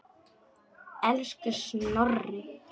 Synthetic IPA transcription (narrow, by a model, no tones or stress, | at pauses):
ɛlskɪsnɔrɪ